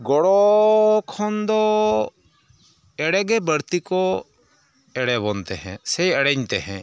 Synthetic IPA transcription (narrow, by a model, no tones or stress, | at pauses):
ɡɔɽɔkʰɔnd̪ɔ | ɛɽɛɡɛbəɾt̪ikɔ | ɛɽɛbɔnt̪ɛhɛ̰̃sɛjɛɽɛɲt̪ɛɦɛ̰̃